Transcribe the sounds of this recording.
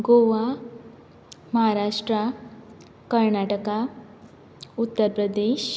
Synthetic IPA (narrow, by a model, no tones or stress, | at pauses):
ɡoʋa | məɦaɾaʂʈɾa | kəɾɳaʈəka | ut̪ːəɾpɾəd̪eʃ